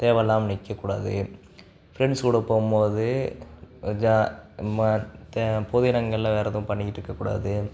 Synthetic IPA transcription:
t̪eːʋɛlːaːmnɪkːɐkːuːɽa̰ːðɯ | fɪɾɛɳɖskuːɽɐpoːɯmpoːðɯ | d͡ʒamɐt̪poːðɪɪnɐŋɡɐɭɪlɐʋeːɾɐðɐʊ̃pɐɳːɪkːɪʈːɾɯkːɐkːuːɽa̰ːðɯ

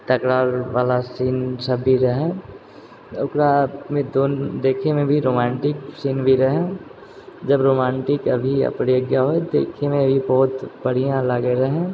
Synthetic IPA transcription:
t̪ɐkɽaːɾʋaːlasiːnsɐbːiɾɐɦẽ | ʊkɾamẽd̪oːnd̪eːkʰemẽbʱiɾoːmɛ̃ːɳʈɪksiːnbʱiɾɐɦẽ | d͡ʒɐbɾoːmɛ̃ːɳʈɪkɐbʱiɐ̰pɽeəɡjaɦoed̪eːkʰemẽɐbʱibɔːʊt̪bɐɽ̤ijãlaɡeɾɛɦẽː

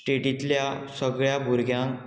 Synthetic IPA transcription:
ʈeʈit̪ljasəɡɭjabʱuɾɡʱjãŋ

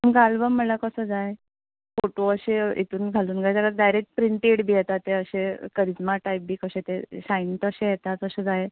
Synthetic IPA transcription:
əmɡalbəmːəlakəsəːd͡zaje | foʈoəɕeḛt̪uːnɡʱaluːnɡʱajt͡ɕakaɾ̚ɖajɾek̚ʈ̚pɾiɳʈeʈbʱiet̪at̪ːeəɕekəɾid͡zmaʈajp̚biːkəɕẽt̪eɕaint̪əɕẽjet̪at̪əɕed͡zaje

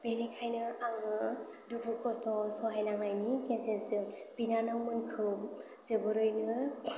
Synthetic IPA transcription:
b̥enikʰajnɯaŋɯ | duɡukʰɔstʰɔsɔɦajnaŋnajnikesensɯ | pinanawmɯnkʰɯw | zebɯɾɯjnɯ

